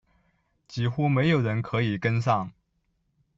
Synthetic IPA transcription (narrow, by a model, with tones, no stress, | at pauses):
t͡ɕi˨˥xu˥me˧˥ɪjo˨˩ʊɻə˧˥nkʰɤ˧˥i˨˩kə˥ns̬ɑ˥˩ŋ